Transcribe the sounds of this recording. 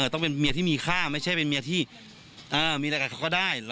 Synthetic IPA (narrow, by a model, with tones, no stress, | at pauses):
t̪ɔ˥˩ŋpe˧nmi˧t̪ʰiː˥˩miː˧kʰaː˥˩ma˥˩jt͡ɕʰa˥˩jpe˧nmi˧t̪ʰiː˥˩ | ʔɤː˧miː˧a˧kaː˧˩kʰkɔː˥˩daː˥˩jl